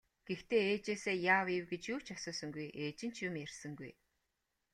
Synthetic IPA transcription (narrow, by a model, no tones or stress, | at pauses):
ɡ̥ext̪ʰeːeːt͡ɕeːseːjaːwiwɡet͡ɕjuːt͡ɕasɔːsɞ̆ŋɡujʔeːt͡ɕɪ̆n̥t͡ɕjumjersɘ̆ŋɡuj